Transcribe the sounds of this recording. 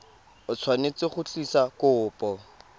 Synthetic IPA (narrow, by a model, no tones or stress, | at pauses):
ʊt͡sʰwanet͡sɪχʊt͡ɬisakʊʊːpʼɔ